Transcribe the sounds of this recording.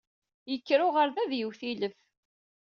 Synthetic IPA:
jəkːɾʊʁəɾðæðjəwθiləf

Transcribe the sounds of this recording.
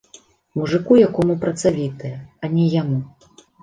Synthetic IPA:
muʐɨkujakɔmupɾɐt̪savʲit̪ɨjɐɐnʲɛjamu

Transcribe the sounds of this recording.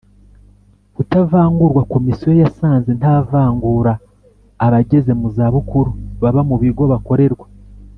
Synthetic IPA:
βutavaːŋɡuɾɡwako̞misijo̞jasaːnzintaːvaːŋɡuɾaː | βaɟe̞ze̞muzaːβukuɾuβaβamuβiɡo̞βako̞ɾe̞ɾɡwa

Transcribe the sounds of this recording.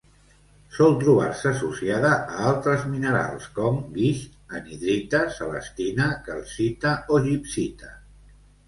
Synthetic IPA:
sɔlˠt̪ɾuβ̞a̰ɾsəːsusiaðəəalˠt̪ɾəzminəɾa̰lˠskɔmɡiʃəniðɾit̪əsəβə̰st̪inəkəlˠsit̪əoʒipsit̪ə

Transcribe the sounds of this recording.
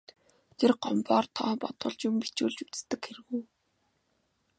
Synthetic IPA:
t̪ʰerɢɔmpɔːrt̪ʰɔːpɔt̪ʊ̰̆ːɮt͡ɕʊ̆mpi̥t͡ɕuːɮt͡ɕut͡st̪ɘ̆kxeɾɘ̆ɣuː

